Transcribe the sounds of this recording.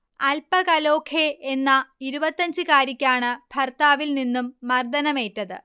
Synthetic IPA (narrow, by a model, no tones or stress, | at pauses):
ɐlpɐkɐlo̞ːkʰeenːɐiɾubɐt̪ːɐɲd͡ʑɨkaːɾikʲːaːɳɨbʱɐrt̪aːʋilninːumːɐrd̪ɐnɐme̞ːtːɐðɨ̰